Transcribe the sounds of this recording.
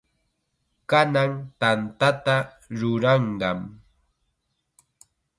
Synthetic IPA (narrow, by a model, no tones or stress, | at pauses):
kanaŋt̪ant̪at̪a | ɾʊɾɑɴɢɑm